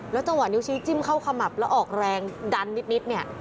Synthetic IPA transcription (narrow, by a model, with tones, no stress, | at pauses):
lɛ˦˥wt͡ɕa˧ŋwa˨˩ni˦˥wt͡ɕʰiː˦˥t͡ɕi˦˥˩mkʰa˥˩wkʰa˧ma˨˩p̚lɛː˦˥wʔɔː˨˩k̚ɾɛː˧ŋda˧nːi˦˥t̪̚ni˦˥t̪̚ni˥˩ɐ